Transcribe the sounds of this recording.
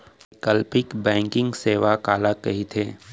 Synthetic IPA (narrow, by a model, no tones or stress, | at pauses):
kəlpɪkbɛ̃ːŋkɪ̃ŋɡseːʋakaːlakɐɦit̪ʰeː